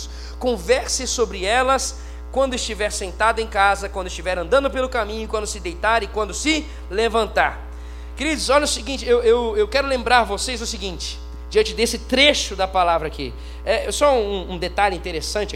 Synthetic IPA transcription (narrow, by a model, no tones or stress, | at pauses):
s | kõvɛɾsɪsobɾɪɛlɐs | kwɐ̃nd̪ʊɪst͡ʃivɛɾsẽnt̪ad̪ʊẽkazɐkwɐ̃nd̪ʊɪst͡ʃivɛɾɐ̃nd̪ɐ̃nd̪ʊpelʊkamĩɲʊɪkwɐ̃nd̪ʊsɪd̪ejt̪aɾɪkwɐ̃nd̪ʊsɪ | levɐ̃nt̪aɾ | keɾid̪ʊsɔʎɐʊsɪɡĩnt͡ʃɪewewewkɛɾʊlẽmbɾaɾvosejzʊsɪɡĩt͡ʃɪ̥ | d͡ʒɪɐ̃nt͡ʃɪd̪esɪt̪ɾeʃʊd̪ɐpalavɾɐakḭ | ɛɛsɔũũũd̪et̪aʎʊĩnt̪eɾesɐ̃nt͡ʃɪ